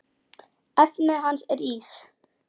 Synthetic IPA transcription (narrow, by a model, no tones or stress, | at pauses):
ɛpnɪɦansɛɾiːs